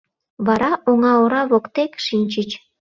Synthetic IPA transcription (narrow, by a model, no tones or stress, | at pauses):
βɑɾɑʔoŋɑoɾɑβokt̪ekʃinʲt͡ɕət͡ɕ